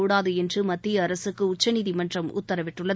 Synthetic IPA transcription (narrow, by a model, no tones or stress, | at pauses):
uːɽaːðɯɛndrɯmɐt̪ːɪjɐːɾɐsɯkːɯʊt͡ʃːɐniðimɐndrɐmʊ̰t̪ːɐɾɐʋɪʈːɯɭːɐ